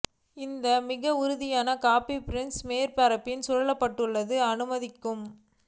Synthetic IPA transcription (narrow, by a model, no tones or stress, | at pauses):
ɪnd̪ɐmɪɣɐʊɾʊðɪjaːnɐkaːpipɪɾɪnsmeːɾpɐɾɐpːɪnsɔɻɐɭɐpːɐʈːɯɭːɐðɯɐnɯmɐðɪkːɯm